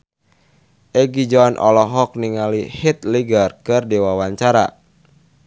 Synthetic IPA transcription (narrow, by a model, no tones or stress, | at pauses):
ʔɛɡid͡ʒɔnʔɔ̰lɔɦɔk̚niŋalihit̪liɡərkɨrdiwawaɲt͡ʃaɾa̰